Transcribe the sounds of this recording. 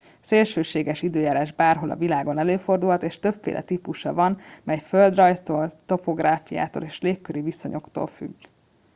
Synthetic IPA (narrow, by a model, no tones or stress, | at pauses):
seːlʃøːʃeːɡɛʃid̪øːjaːɾaːʒbaːrɦo̞lɒ̰vilaːɡo̞nɛløːfo̞rd̪ulɦɒt̪eːʃt̪øbfḛːlʔɛ̰t̪ipuʃɒ̰vɒnmɛjføld̪rɒjst̪oːlt̪o̞po̞ɡraːfija̰ːt̪o̰ːleːʃleːkːøɾiviso̞̰ɲʔo̞̰kt̪o̰lfy̰ɡː